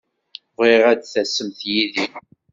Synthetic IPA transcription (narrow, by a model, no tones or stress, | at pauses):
ʁiʁæd̪θæsːəmθjiði